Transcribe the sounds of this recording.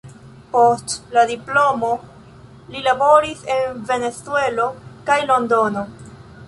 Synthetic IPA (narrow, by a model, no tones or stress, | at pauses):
po̞stladiplo̞mo̞ | lilabo̞ɾise̞nve̞ne̞t͡sue̞lo̞kajlo̞ndo̞no̞